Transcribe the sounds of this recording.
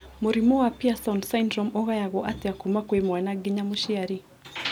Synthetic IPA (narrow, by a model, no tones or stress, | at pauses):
muɾimɔwapiasaundsaindɾɔmɔɣajaɣɔʔatiakumakwemwanaɡiɲamuʃiaɾi